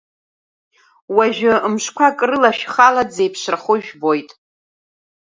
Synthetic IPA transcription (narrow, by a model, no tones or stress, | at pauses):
waʒᶣʊmʂkʷʰakʼrɨlaʃᶣχalad͡zejpʰʂʷraχʊʒᶣbo̞jtʼ